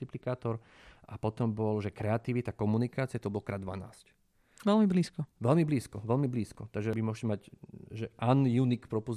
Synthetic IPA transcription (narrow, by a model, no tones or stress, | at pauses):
iplikaːt̪ɔɾ | apɔt̪ɔmbɔlʒɛkɾɛat̪iʋit̪akɔmunikaːt͡siɪjɛt̪ɔbɔlkɾaːd̪ʋa̰na̰ːsc | ʋɛlmibliːskɔʋɛlmibliːskɔʋɛlmibliːskɔt̪aɡʒɛbimʊɔʃcɛmaɟʒɛʔanjunikpɾɔpu